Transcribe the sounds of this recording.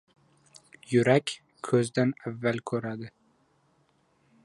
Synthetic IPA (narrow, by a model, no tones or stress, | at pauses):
jʊɾakʲ | kʰɵzd̪anavːalkʲʰɵɾad̪ɪ